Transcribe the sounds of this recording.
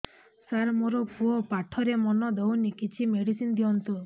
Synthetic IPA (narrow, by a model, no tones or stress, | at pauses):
saɾmoɾɔpuɔpaʈʰɔɾemɔnɔd̪ɔwnikit͡ʃʰimeɽisind̪iɔnt̪u